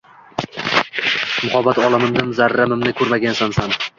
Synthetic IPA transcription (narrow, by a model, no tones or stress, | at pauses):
mʊχɒbat̪ɒlˠɪmɪmnɪmzaɾːamɪmnɪkʰɵɾmaɡʲansansan